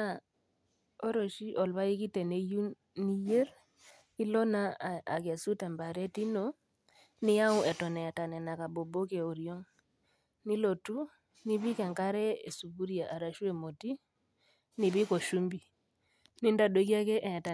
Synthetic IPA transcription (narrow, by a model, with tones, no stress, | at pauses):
a˨ | o˦ɾo˨ʃi˦ʔɔ˨lβa˦i˦ki˦tɛ˨ne˨˦ju˦ | ni˦je˦ɾ | i˦lɔ˦na˨a˨ka˨su˦tɛ˨mba˨ɾɛ˦ti˦no˨ | ni˦ja˦u˦ɛ˨tɔ˨nɛ˨ta˨nɛ˨na˨ka˨bo˨bo˦ke˨o˨ɾjo˦ŋ | ni˦lo˨tu˦ | ni˦bi˦kɛ˨ŋka˦ɾɛ˦e˨su˨bu˦ɾja˨ʔa˨ɾa˨ʃu˦e˨mo˨ti˦ | ni˨bi˦ko˨ʃu˦mbi˨ | ni˦nda˨ɗo˨ki˦a˦kɛ˦ʔɛ˨ta˨